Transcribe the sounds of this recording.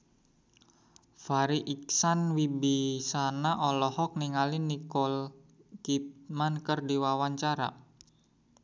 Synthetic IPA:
faɾiʔiksanwibisanaʔɔlɔhɔk̚niŋalinikɔl | kit̪̚mankərdiwawaɲt͡ʃaɾa̰

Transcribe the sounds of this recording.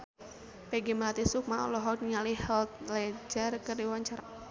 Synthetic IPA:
peɡimlat̪isuk̚maʔɔ̰lɔɦɔt̪̚ŋalihɛlt̪̚lɛd͡ʒarkərdiwaɲt͡ʃaɾa

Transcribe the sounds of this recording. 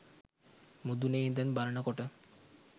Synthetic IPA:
mud̪uneid̪ɛnbaɾəɳakɔʈə

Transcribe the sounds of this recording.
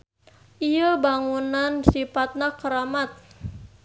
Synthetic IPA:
ʔijəbaŋunansifat̪̚nakəɾamat̪̚

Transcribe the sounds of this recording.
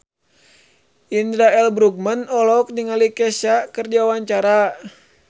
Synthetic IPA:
ʔindɾaɛlbɾuɡ̚mənɔlɔk̚ndiŋalikɛsakərd͡ʒawaɲt͡ʃaɾa

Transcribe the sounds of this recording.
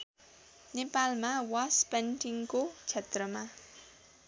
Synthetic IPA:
nepalmawaspenʈiŋkot͡sʰet̪rʌma

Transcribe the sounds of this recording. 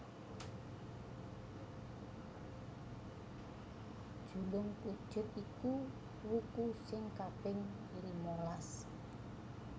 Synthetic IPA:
d̥ʒ̥ṳlʊŋkud̥ʒ̥ʊ̤t̪̚iku | wukusɪŋkab̥ɪŋ | iɾimolas

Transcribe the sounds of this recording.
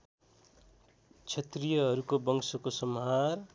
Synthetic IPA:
t͡sʰʌt̪rijʌɦʌɾukobʌŋsokosʌmɦar

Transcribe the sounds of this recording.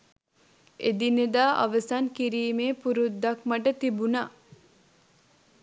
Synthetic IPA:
ed̪ined̪aːʔɐ̰ʋɐsɐŋkiɾiːmeːpuɾud̪ːɐkmɐʈɐt̪ibuna

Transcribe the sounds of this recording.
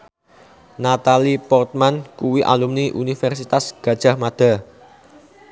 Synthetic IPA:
nat̪alipɔrt̪̚mankuwiʔa̰lumniʔunifɛrsit̪asɡ̥ä̤d̥ʒ̥a̤hmad̪̥a̤

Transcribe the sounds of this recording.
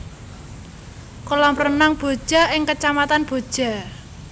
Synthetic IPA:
kolɔmrənaŋb̥o̤̥ʒ̥a̤ʔɪŋkət͡ʃamat̪anb̥o̤d̥ʒ̥a̤

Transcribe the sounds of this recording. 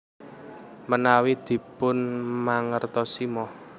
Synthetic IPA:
mənawid̪̥i̤pʊnmaŋərt̪ɔsimɔ

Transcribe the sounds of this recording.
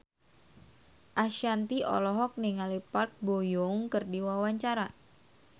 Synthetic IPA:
ʔaʃiant̪iʔɔ̰lɔɦɔk̚niŋalipark̚bojɔŋkərdiwawaɲt͡ʃaɾa

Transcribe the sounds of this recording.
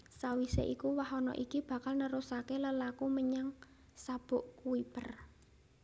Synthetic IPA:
sawisḛʔikuwaɦɔnɔ̰ʔikib̥ä̤kalnəɾusakeləlakuməɲaŋ | sab̥ʊ̤ʔkuipər

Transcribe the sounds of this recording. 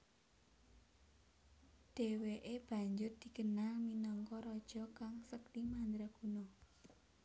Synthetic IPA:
d̪̥eweʔeb̥ä̤ɲd͡ʒʊrd̪̥i̤ɡənalminɔŋkɔɾɔd̥ʒ̥ɔ̤kaŋsək̚dimand̪ɾaɡ̥unɔ

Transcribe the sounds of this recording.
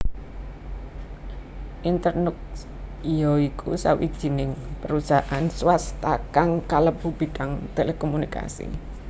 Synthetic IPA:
ʔint̪ərnʊk̚ | ijɔikʰṵsawḭd̥ʒ̥i̤nɪŋpəɾusaʔanswast̪akaŋkaləb̥ṳb̥i̤ɖ̥aŋt̪elekomunika̰sḭ

